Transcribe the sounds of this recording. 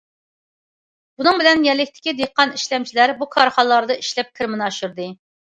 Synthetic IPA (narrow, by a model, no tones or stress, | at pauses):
b̥unɨŋbɪlɛnjɛlːɪk̚ʲt̪ʰɪ̥kʲid̪eqːɑniʃlɛmt͡ʃʰilæɾbukʰɑɾχɑnlːˠɑɾd̪ɑiʃlɛp̚kʲʰɪɾmɨnɑʃuɾd̪ɨ